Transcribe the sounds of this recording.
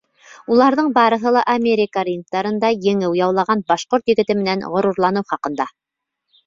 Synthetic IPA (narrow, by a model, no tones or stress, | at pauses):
ulˠɑɾðɤɴbɑɾɤ̆ɦɤ̆lˠɑʔɐmʲeɾʲɪkarʲin̚t̪ɑɾɤ̆nd̪ɑjɘ̆ŋɘwjɑwlˠɑʁɑnbɑʃqoɾt̪jɘ̆ɡɘ̆t̪ɘmɘ̆nænʁŏɾuɾlˠɑnɤwχɑqɤ̆nd̪ɑ